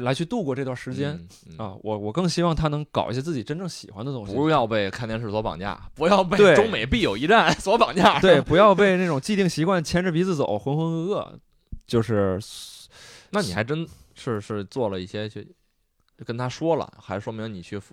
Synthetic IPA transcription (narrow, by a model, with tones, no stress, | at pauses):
la˧˥ɪt͡ɕʰy˥˧t̪u˥˧kwɔ˥˧ʈ͡ʂɤ˥˧t̪wa˥˩ʂɻt͡ɕjɛ˥n | ə̰˧wʔɔ˨˩wɔ˨˩kɤ˥˩ŋɕi˥wɑ˥˩ŋt̪ʰa˥nɤ˧˥ŋkɑ˨˩ʊi˧˥ɕjɛ˥t͡sɹ̩˥˩t͡ɕi˨˩ʈ͡ʂə˥nʈ͡ʂɤ˥˩ŋɕḭ˨˩xwa˧˥nd̪ə˧ʊ˥ŋɕiu˧˥jɑ˥˧ʊpe˥˧ɪkʰnt̪jɛ˥˧nʂɻ̩˥˩swɔ˧˥pɑ̰˨˩ŋt͡ɕja̰˥˩pu˧˥jɑ˥˧ʊpe˥˩ɪe˥˩ɪʊ˥ŋme˨˩ɪpi˥˩jo˨˩ʊi˧˥ʈ͡ʂa˥˩nswɔ˧˥pɑ˨˩ŋt͡ɕja˥˩twe˥˩ɪpu˧˥jɑ˥˧ʊpe˥˧ɪna˥˩ʈ͡ʂʊ˨˩ŋt͡ɕi˥˧t̪i˥˩ŋɕi˧˥kwa˥˩nt͡ɕʰjɛ˥nʈ͡ʂɻ̩˥˩pi˧˥t͡sɹ̩˧˩t͡so̰˨˩˦ʊxwə˧˥nxwə˧˥nɤ˥˧ɤ˥˩ | t͡ɕjo˥˧ʊʂɻ̩˥˩ | na˥˩ni˨˩xa˧˥ɪʈ͡ʂə˥nəʂɻ̩˥˧ʂɻ̩˥˧t͡swɔ˥˩lə˩i˥˩ɕjɛ˥t͡ɕy˥˩ | kə˥nt̪ʰa˥ʂwɔ˥lə̰˨xa˧˥ɪʂwɔ˥mi˧˥ŋni˨˩t͡ɕʰy˥˩f